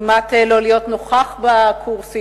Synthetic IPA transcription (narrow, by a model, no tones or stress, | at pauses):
mat̪elolijo̞t̪noχaχbakʰuʁsi